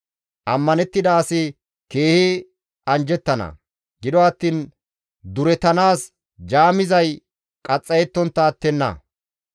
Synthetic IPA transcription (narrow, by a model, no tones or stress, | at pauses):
ʔɐmːɐnɛt̪ːɪd̪ɐːsɪ | ke̞ːhɪ | ɐnd͡ʒɛt̪ːɐnɐ̰ | ɡɪd̪ɔɐt̪ːiːn | d̪ʊɾɛt̪ɐnaːs | d͡ʒaːmɪzɐj | kʼɐt͡sʼːɐjɛt̪ːɔnt̪ːɐːt̪ːɛnːɐ̰